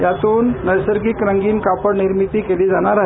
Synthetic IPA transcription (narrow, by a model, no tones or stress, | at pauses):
jat͡suːnːəjsəɾɡiːkɾəŋɡiːnkapəɽniɾmit̪iːkeliːd͡zaɽ̃aɾaɦe